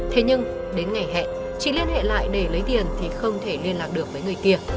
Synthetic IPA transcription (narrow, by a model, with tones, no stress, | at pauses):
t̪ʰe˨˦ɲɨ˧ŋ | ɗe˨˦nŋa˨˩jɦɛ̰˧˨n | t͡ɕḭ˧˨li˧ənhḛ˧˨la̰ː˧˨jɗe˧˩lə˨˦jt̪i˨˩ənt̪ʰi˨˩xə˧wŋ͡mt̪ʰe˧˩li˧ənlaː˨˩k̚ɗɨ˨˩ək̚vəː˨˦jŋɨ˨˩əjki˧˩ə